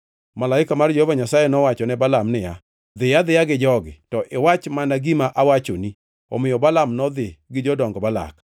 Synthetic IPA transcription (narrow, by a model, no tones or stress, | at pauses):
malaɪkamard͡ʒɔhovaɲasajɛnɔwat͡ʃɔnɛbalamnɪja | d̪ɪjad̪ɪjaɡɪd͡ʒɔɡɪ̰tɔʔɪwat͡ʃmanaɡimaʔawat͡ʃoni | ɔ̰mɪjɔbalamnɔd̪ɪɡɪd͡ʒɔdɔŋɡɔbala̰k